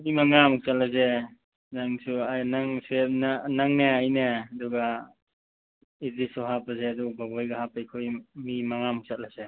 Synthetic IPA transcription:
mimaŋamuk̚sat̚laze | naŋsuajnaŋsep̚nanaŋneajneɐduɡa | idisɔɦapazeaduk̚babɔjɡaɦapajkʰojmimaŋamuk̚sat̚laze

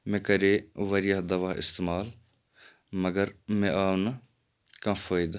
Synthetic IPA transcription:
mẽːkɐɾeːʋɐɾɪjaːd̪ɐʋaːɪ̰st̪eːmaːl | mɐɡəɾmɛ̃ʔaːʋnɐ | kãːfoːɪd̪a

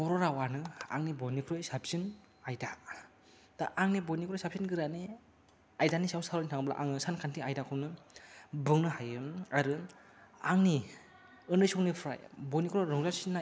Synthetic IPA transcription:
ɔɾɔɾawanɯa̰ŋnibɔjnikʰɾojsap̚sin | ajda | d̥aʔaŋnibɔjnikʰɾojsap̚sinɡɯɾani | ajdanisawsaɾɔnitʰaŋbla̰ʔaŋnɯsankʰantʰiajdakʰɯwnɯ | bɯŋnɯɦajɯaɾɯ | aŋni | ɯndɯjsɔwnipʰɾa̰jbɔjnikʰɾojɾɔŋzasinːa

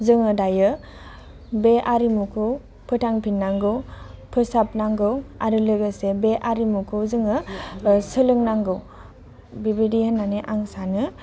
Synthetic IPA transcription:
zɯŋɯdajɯ | beʔaɾimukʰɯw | pʰɯtʰaŋpʰinːaŋɡɯwpʰɯsap̚naŋɡɯwaɾɯlɯɡɯsebeʔaɾimukʰɯwzɯŋɯ | sɯlɯŋnaŋɡɯw | bibidihenːaneʔaŋsanɯ

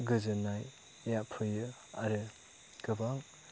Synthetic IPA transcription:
ɡɯzɯnaj | japʰɯjɯ | aɾɯ | ɡ̥ɯbaŋ

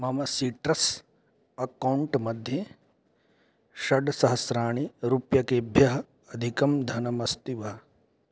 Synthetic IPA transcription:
mɐmɐsiːʈɾɐs | ɐkɐwɳʈmɐd̪ʱje | ʃɐɖsɐɦɐsɾaːɳiɾupjɐkeːbʱjɐɦɐ | ɐd̪ʱikɐmd̪ʱɐnɐmɐst̪iʋɐ

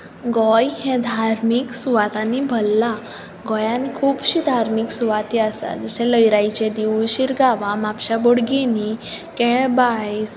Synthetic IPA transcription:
ɡɔjhẽd̪ʱaɾmiksuʋat̪anibʱəlːa | ɡɔjãnkʰuːbɕid̪ʱaɾmiksuʋat̪iasa̰d͡zəsẽləjɾajt͡ɕẽd̪iuɕiɾɡaʋamapɕaboɽɡinikɛɭbajs

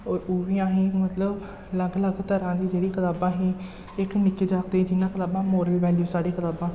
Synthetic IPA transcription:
ɔːɾuːʋĩːãːɦĩːmət̪ləb | ləɡləɡt̪əɾãːd̪iːd͡ʒeːɽiːkʰət̪aːbãːɦĩː | ɪknɪkːeːd͡ʒaːk̚t̪eːd͡ʒɪnãːkʰət̪aːbãːmoːɾəlʋɛːliːõːsaːɽiːkʰət̪aːbãː

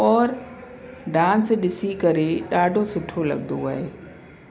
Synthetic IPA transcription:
ɔːɾ | ɖãːnsɗɪsikɐɾeɗaːɖʱosɪʈʰolɐ̰ɠnd̪oa̰ːɦeː

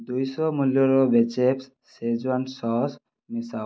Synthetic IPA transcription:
d̪ujsɔmuljɔɾɔbet͡ʃeps | sezwansɔs | misa

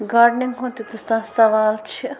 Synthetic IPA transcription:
ɡaːɾɖnɪ̃ŋɦõːt̪it̪ʊst̪ãːsɐʋaːlt͡ʃʰi

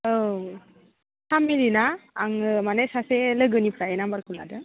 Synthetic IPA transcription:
əw | t̪amilinaaŋəmanəsaseləɡənipɾainambaɾkula̰də

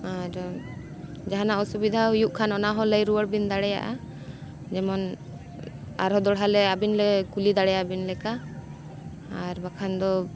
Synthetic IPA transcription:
aɾ | d͡ʒaɦanaɔsubid̪ʱaujuʔkʰanɔnaɦɔləjɾuwəɽbind̪aɽɛja̰ʔa̰ | d͡ʒɛmɔn | a̰ɾɦɔd̪ɔɽɦalɛabinlɛkulid̪aɽɛjabinlɛka | ɾbakʰand̪ɔ

